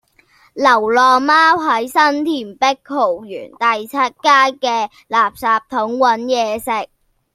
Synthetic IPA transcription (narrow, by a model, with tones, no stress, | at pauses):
lɐ˨˩wlɔː˨maː˥wɦɐ˨˥jsɐ˥nt̪ʰiː˨˩npɪ˥k̚hʰo˨˩wjyː˨˩nt̪ɐ˨jt͡sʰɐ˥t̚kaː˥jkɛː˧ | laː˨p̚saː˨p̚t̪ʰʊ˨˥ŋwɐ˨˥njɛː˨˧sɪ˨k̚